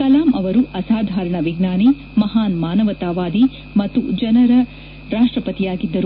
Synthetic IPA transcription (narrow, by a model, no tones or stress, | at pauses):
kɐlaːmʔɐʋɐɾuʔɐsaːd̪ʱaːɾɐɳɐʋiɡnaːni | mɐɦaːnmaːnɐʋɐt̪aːʋaːd̪i | mɐt̪ːṵd͡ʒɐnɐɾɐ | ɾaːʂʈɾɐpɐt̪ijaːɡid̪ːɐɾu